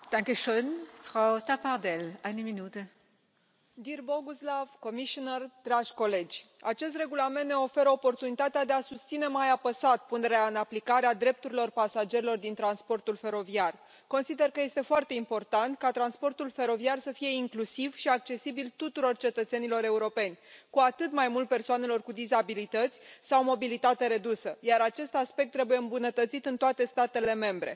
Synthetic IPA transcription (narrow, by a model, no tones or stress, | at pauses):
d̪̥aŋkəʃøːnfʁawt̪apaʁd̪ɛlʔajnəminuːt̪ə | d̪irbo̞ɡuslav̥ko̞miʃonərd̪ɾaʒʲko̞le̞d͡ʒʲ | at͡ʃe̞s̬t̪re̞ɡulame̞nt̪neo̞fe̞ɾəo̞po̞rt̪unit̪at̪ead̪e̞asust̪sine̞majapəsat̪̚pune̞ɾeaɨnaplikaɾead̪ɾe̞p̚t̪uɾilo̞rpasad͡ʒe̞ɾilo̞rd̪int̪ɾanspo̞rt̪ulfe̞ɾo̞viar | ko̞nsid̪e̞rkəje̞st̪e̞foart̪e̞impo̞rt̪ant̪kat̪ɾanspo̞rt̪ulfe̞ɾo̞viarsəfije̞iŋklusivʃiak̚t͡ʃe̞sibilt̪ut̪uɾo̞rt͡ʃe̞t̪ət̪se̞nilo̞ɾe̞uɾo̞pe̞nʲkuat̪ɨt̪majmult̪̚pe̞rsoane̞lo̞rkud̪izabilit̪ət̪sʲsawmo̞bilit̪at̪eɾe̞d̪usəjaɾat͡ʃe̞st̪aspe̞k̚t̪ːɾe̞buje̞ɨmbunət̪ət̪sit̪ɨnt̪oat̪e̞st̪at̪e̞le̞me̞mbɾe̞̰